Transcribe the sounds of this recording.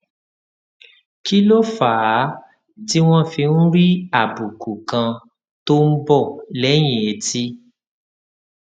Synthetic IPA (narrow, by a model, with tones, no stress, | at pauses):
ki˦lo˦fa˨˦ | ti˦w̃ɔ̃˦fi˧n̩˦ɾi˦a˦˨bu˨ku˨kã˧ | to˦n̩˦bɔ˦˨lɛ˨˦j̃ĩ˨e˨˧ti˦